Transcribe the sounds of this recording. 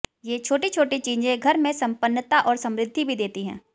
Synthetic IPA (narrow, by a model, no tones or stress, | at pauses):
jeːt͡ʃʰoːʈit͡ʃʰoːʈit͡ʃiːd͡ʒẽɡʱɐɾmẽsɐ̃mpənːt̪aʔɔːɾsɐ̃mɾɪd̪ʱːibʱid̪eːt̪iɦɛ̰̃ː